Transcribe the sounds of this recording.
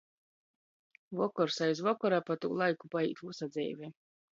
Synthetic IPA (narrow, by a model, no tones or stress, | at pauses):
vɔkɔɾsajzvɔkɔɾaːpat̪ṵːlˠajkupaḭːt̪usad̪zʲɛ̰ːvʲe